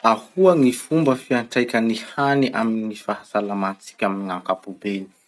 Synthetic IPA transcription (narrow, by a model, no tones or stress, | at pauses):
ahuəŋifumbəfiaɳʈ͡ʂajkʲənihaniʔa̰minnifahasalamat͡si̥kʲaminiŋaŋkapubeli̥